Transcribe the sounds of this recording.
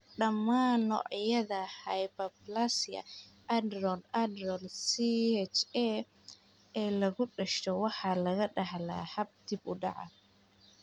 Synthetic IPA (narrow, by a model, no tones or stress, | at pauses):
ɖɐmːaːnːɔ̰ʕjɐðɐhɐjbɐplasjɐ̰ʔɐd̪rɔlɐd̪ɔlsiɛt͡ʃɛ | ɛːlɐɣʊɖɐʃt̪ɔwɑħɑlɐɣɐɖɑhla̰ːhɐb̚d̪ɪbʊɖɑ̰ʕɑ̰